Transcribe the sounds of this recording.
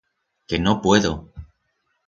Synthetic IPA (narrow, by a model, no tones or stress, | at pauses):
kenopwe̞ðo